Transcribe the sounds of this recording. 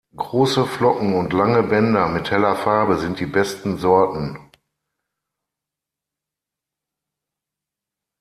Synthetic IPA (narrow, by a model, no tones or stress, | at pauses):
ɡ̥ʁoːsəflɔkŋ̩ʊntlaŋəbɛndɐmɪthɛlɐfaɐbəzɪnt̚d̥iːbɛstn̩zɔɐtn̩